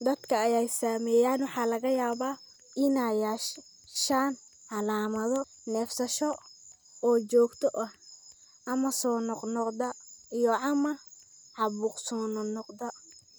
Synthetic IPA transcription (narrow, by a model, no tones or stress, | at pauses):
d̪ɐd̪kʰɐːjɛjsaːmɛːjaːnwɑħɑːlɐɣɐjaːβaː | ʔɪnaːjaʃ | ʃaːn | ʕɑlaːmɐðɔ | nɛːfsɐʃɔ | ɔːt͡ʃɔːɡt̪ʰɔʔɐh | ʔɐmɐsɔːnɔqnɔqd̪ɐijɔʕɑmɐ | ʕɑβuːqsɔːnɔnɔqd̪ɐ